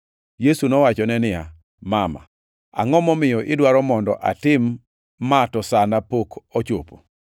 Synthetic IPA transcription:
jesunɔwat͡ʃɔnɛnɪja̰ | mama̰ | a̰ŋɔmɔmɪjɔʔɪdwaɾɔmɔndɔʔa̰tɪmː | atɔsanapokɔt͡ʃopo̰

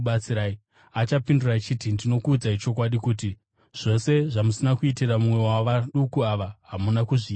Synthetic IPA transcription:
ɓat͡siɾaːi | at͡ʃapindurat͡ʃitindino̞kuːd͡zait͡ʃo̞k̬waɗikuːti | ʐ̥o̞se̞ʐamusinakuitiramumwe̞waʋaɗukuaʋaɦamunakuʐi

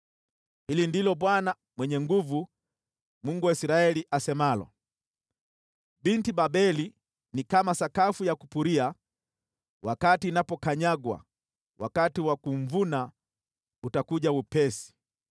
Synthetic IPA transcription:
hilindilɔɓwana | mwɛɲɛŋɡuvu | muŋɡuwaisiɾaɛliʔasɛmalɔ̰ | bintibabɛli | nikamasakafujaku̥puɾia | wakatiːnapɔkaɲaɡwa̰ | wa̰katiwakum̩vuna | utakuʄaupɛsi̥

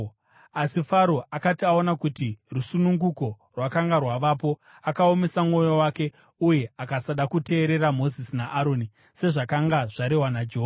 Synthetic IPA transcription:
asifaɾo̞ʔakatiaonakutirusunuŋɡuko̞ | rwakaŋɡarwaʋapo̞ | akao̞me̞samŋo̞jo̞wake̞ | uje̞akasaɗakute̞ːɾe̞ɾamo̞zisinaʔːɾo̞ːni | se̞ʐakaŋɡaʐaɾewanad͡ʒɦo

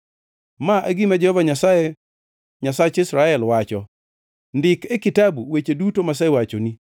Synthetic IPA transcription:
maʔaɡimad͡ʒɛhɔvaɲasae | ɲasat͡ʃɪsɾaɛlwat͡ʃɔ | ndɪkɛkɪtabuwet͡ʃedutomas̬awat͡ʃoni

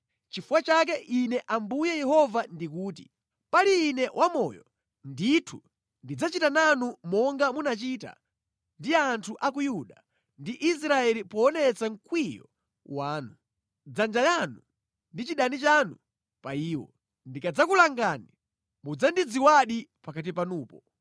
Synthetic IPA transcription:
t͡ʃifuwat͡ʃak̬ɛʔinɛʔambujɛjɛɦɔvandikuːtḭ | paɾiːnɛwʔamɔjɔ | nditʰu | ndid͡zat͡ʃitananumɔŋɡamunat͡ʃiːta̰ | ndiantʰuʔak̬ujuɗa | ndiʔis̬ɾaɛlipɔːnɛt͡saŋ̩kwijɔ̰ | waːnu | d͡zand͡ʒajanu | ndit͡ʃiɗanit͡ʃanu | paiːwɔ̰ | ndikad͡zakulaŋɡani | mud͡zandid͡ziwaɗipakat̬ipanuːpɔ

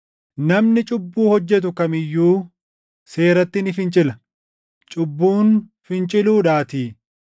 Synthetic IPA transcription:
nɐmnɪt͡ʃʼʊbːuːhɔd͡ʒːɛt̪̬ʊkɐmɪjːuː | se̞ːɾɐt̪ːɪnɪfɪnt͡ʃʼɪlɐ | t͡ʃʼʊbːuːnfɪnt͡ʃʼɪluːᶑaːt̪iː

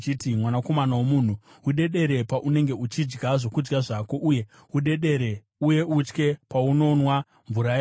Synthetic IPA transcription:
t͡ʃitimwanako̞manawomuːn̤u | uɗe̞ɗe̞ɾe̞paʔune̞ŋɡe̞ut͡ʃid͡ʒɡaʐo̞kud͡ʒɡaʐako̞ʔuje̞ | uɗe̞ɗe̞ɾe̞ | uje̞ut͡ʃke̞pauno̞nwa | ɱvuɾaja

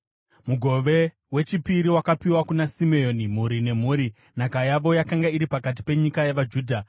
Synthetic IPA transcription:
muɡʱo̞ʋe̞ | we̞t͡ʃipiɾiwakapiwakunasimeo̞nim̤uɾine̞m̤uːɾi | n̤akajaʋo̞jakaŋɡaiɾipakat̬i̥pe̞ɲikajaʋad͡ʒuːdʱa

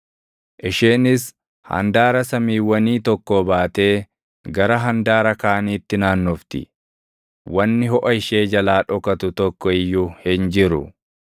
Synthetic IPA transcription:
ʔɪʃeːnɪs | hɐ̰nd̪aːɾɐsɐmiːwːɐniːt̪ɔkːɔbaːt̪e̞ː | ɡɐɾɐɦɐnd̪aːɾɐkaːniːt̪ːɪnaːnːɔft̪ɪ̰ | wɐnːɪɦɔʔɐɪʃeːd͡ʒɐlaːᶑɔkɐt̪ʊt̪ɔkːɔɪjːʊhɪnd͡ʒɪɾʊ̰

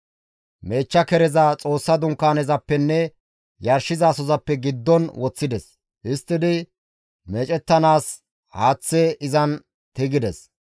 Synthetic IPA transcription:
me̞ːt͡ʃːɐkɛɾɛzat͡sʼo̞ːsːɐd̪ʊŋkːaːnɛzɐpːɛnːɛ | jɐɾʃɪzɐːsɔzɐpːɛɡɪd̪ːɔnwɔt͡sːɪd̪ɛs | hɪst̪ːɪd̪ɪ | meːt͡ʃʼɛt̪ːɐnaːs | haːt͡sːɛʔɪzɐn | t̪ɪɡɪd̪ɛs

